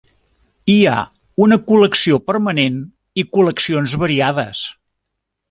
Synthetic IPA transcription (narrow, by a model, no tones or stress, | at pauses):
ia̰ | unəkuləksiopəɾmənen | ikuləksionzβəɾiaðəs